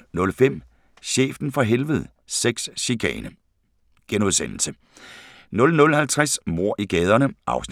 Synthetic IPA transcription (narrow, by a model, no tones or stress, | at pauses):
nɔ̽lfem̰ | ɕḛːfd̥n̩fɒ̽ɦelʋəðˠ | seɡ̥sɕikʰɛ̰ːnə | ɡ̥enuðˠsen̰l̩sə | nɔ̽lnɔ̽lhælt͡sʰʁasmo̝ɐ̰ʔiɡ̥ɛːð̞ˠɐnəʔɑ̈ʊsn